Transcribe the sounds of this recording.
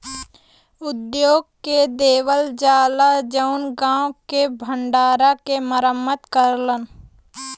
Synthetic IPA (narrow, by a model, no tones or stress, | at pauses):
ʊd̪joːɡ̚ked̪eːwəld͡ʒaːlad͡ʒəʊnɡãːwkebʱə̃ɳɖaːɾakeməɾəmːət̪kəɾlən